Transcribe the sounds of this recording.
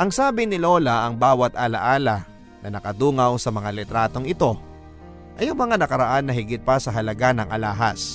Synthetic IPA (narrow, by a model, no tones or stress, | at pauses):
ʔɐŋsaːbɪnɪlo̞ːlɐɐŋbaːwɐt̪ʔaːlɐ̰ʔaːlɐ | nɐnɐkɐd̪uːŋɐwsɐmɐŋalɛt̪ɾaːt̪o̞ŋɪt̪o̞ | ʔɐjʊŋmɐŋanɐkɐɾɐʔanːɐɦɪɡɪt̪̚pɐsɐɦɐlɐɡanɐŋʔɐlaːɦɐs